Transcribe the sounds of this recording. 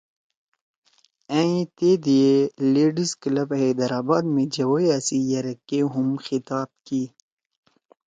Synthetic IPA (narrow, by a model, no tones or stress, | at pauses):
ãĩt̪eːd̪ieleːɖisklɐbed̪ɐɾaːbaːd̪mẽd͡ʒɐwojasijɐɾɐkːeɦumxit̪aːb̚ki